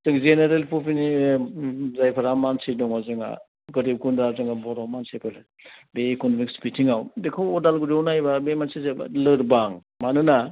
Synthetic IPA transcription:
zɯŋzeneɾelpʰupʰini | zajpʰaɾamansidɔŋazɯŋa̰ | ɡɯɾib̚ɡundɾazɯŋabɔɾɔmansepʰel | beːkɔnɔmikspitʰiŋawdekʰawɔdalɡuɾiunajbabemansizeb̰lɯɾbaŋ | manɯna

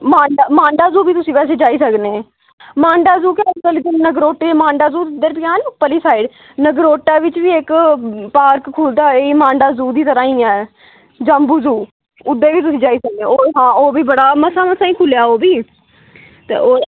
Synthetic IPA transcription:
mãːɳɖaːmãːɳɖaːzuːbiːt̪ʊsĩːpɛːs̬eːd͡ʒaːiːsəknẽː | mãːɳɖaːzuːkeːk̪əlid̪ənnəɡɾoːʈːeːmãːɳɖaːzuːd̪əɾpɪjãːnpəliːsaːɪɖ | nəɡɾoːʈaːʋɪt͡ʃʋiːekpaːɾkkʰːʊld̪aːeːiːmãːɳɖaːzuːd̪iːt̪əɾãːĩːãːɛː | d͡ʒəmbuːzuː | ʊd̪ːeːʋiːt̪ʊsĩːd͡ʒaːiːsək̚nẽːoːɦãːoːbiːbəɽaːməsaːməsaːĩːkʰʊljaːoːbiː | t̪ḛːoː

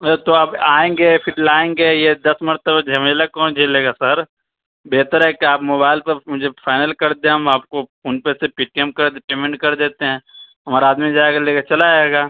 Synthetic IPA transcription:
t̪oabaːẽːŋɡepʰɪɾʈlaːẽːŋɡejed̪ɐsmɐɾt̪əbad͡ʒʱɐmelakɔːnd͡ʒʱeleːɡasɐɾ | beːt̪əɾɦɛkeaːpmoːbaːɪlpɐɾmʊd͡ʒʱepʰaːɪnəlkɐɾd̪ẽɦɐmaːp̚koʊnpesepɪʈ̚kẽːmp̚kɐɾd̪peːmẽɳʈkɐɾd̪eːt̪eɦɛ̃ːɦɐmaːɾaaːd̪mid͡ʒaːekeleːɡat͡ʃɐlaaeɡaː

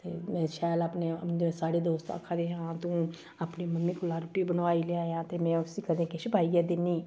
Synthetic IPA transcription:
t̪eːmɛ̃ːʃaːlaːpnẽːsaːɽeːd̪oːst̪ə̰kʰːad̪eːɦãːt̪ũː | apniːməmːiːkʊlaːɾʊʈiːbənʋaːiːleaːjãːt̪eːmɛ̃ːsikəd̪ẽːkeʃɪpaːiːɛːd̪ɪnːiː

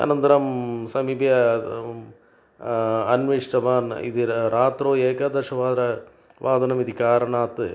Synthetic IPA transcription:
ɐ̰nɐnd̪ɐɾɐmsɐmibjɐ | ɐnʋiʂʈɐʋaːnḭd̪iɾaːt̪ɾoːeːkɐd̪ɐʂɐʋaːd̪ɐɾɐ | ʋʔaːd̪ɐnɐmid̪ikaːɾɐɳaːt̪ːɨ

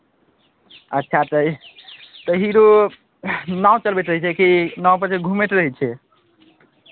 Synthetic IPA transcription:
ətːʃʰat̪əj | t̪əɦiɾo | naũt͡ʃəlbeʈ̪ɾəɦɛt͡ʃʰɛkinaũpəɾt͡ʃʰeɡʱumeʈɾəɦɛt͡ʃʰɛ

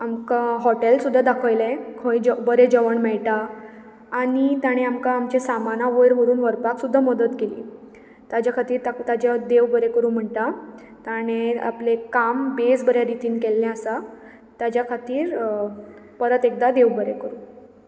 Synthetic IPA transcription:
amkaɦɔʈelsud̪ʱːad̪akʰəjlẽkʰõid͡ʑəbəɾed͡ʑəʋəɳmɛɭʈaː | ɽ̃it̪jaɽ̃eamkaːmt͡ɕesamanaʋəɽʋəɾuːnʋəɾpaksud̪ʱːaməd̪ət̪kelḭː | t̪ad͡ʑjakʰat̪iːɾt̪at̪ad͡ʑad̪eʋbəɾekəɾuːnm̤əɳʈ̪a | t̪aɽ̃ea̰plekambesbəɾjaɾit̪iːnkɛlːɛ̃əsa | t̪ad͡ʑjakʰat̪iːɾ | pəɾət̪ek̚d̪ad̪eʋbəɾekəɾũː

